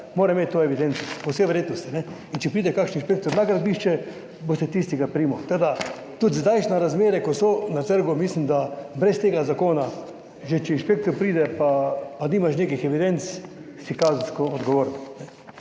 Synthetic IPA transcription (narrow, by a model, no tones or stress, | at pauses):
moːɾɛmeːt̪ːoɛʋid̪ent̪sɔpowseʋəɾjeːd̪nɔst̪inɛ | int͡ʃɛpɾiːd̪ɛkakʃninʃpek̚t̪ɔɾnakɾad̪biʃt͡ʃɛ | bost̪ɛt̪ist̪iɡapɾiːmɔt̪ɐd̪a | t̪ut̪zd̪ajʃnaɾazmeːɾɛkosonat̪əɾɡʊmislimd̪abɾɛst̪eːɡazakoːna | ʒɛt͡ʃɛinʃpek̚t̪ɔɾpɾiːd̪ɛpapaniːmaʃneːkixɛʋid̪ent̪s | sikaːzn̩skɔːd̪ɡɔʋoːɾninɛ